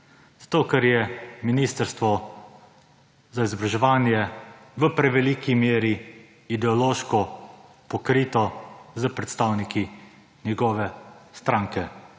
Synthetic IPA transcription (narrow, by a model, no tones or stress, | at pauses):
z̥ḁt̪oːkɛɾjɛminiːst̪əɾst̪ʋɔ | zaizɔbɾaʒɛʋaːnjɛʋəpɾɛʋɛlikimeːɾiː | d̪ɛɔloːʃkɔ | pɔkɾiːt̪ɔzəpɾɛt̪st̪awniki | njɛɡɔːʋɛst̪ɾaːŋkɛ